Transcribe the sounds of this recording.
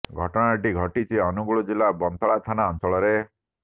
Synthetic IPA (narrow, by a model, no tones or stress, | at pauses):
ɡʱɔʈɔɽ̃aʈiɡʱɔʈit͡ʃʰiɔnuɡuɭud͡ʒilabɔnt̪ɔɭat̪ʰanaɔnt͡ʃɔɭɔɾe